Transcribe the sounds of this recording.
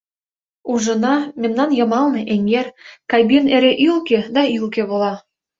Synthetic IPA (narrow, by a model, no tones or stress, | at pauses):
uʒɤ̆nɑmʲemnɑnjɤ̆mɑlˠnɤʔeŋerkɑjbineɾeʔylkĕd̪ɑylkĕβolɑ